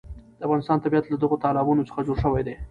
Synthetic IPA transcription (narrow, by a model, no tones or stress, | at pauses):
d̪əafɣɑnɪst̪ɑnt̪abijat̪lad̪əɣot̪ɑlɪbunot͡sə̥xad͡ʒoɽʃəwajd̪e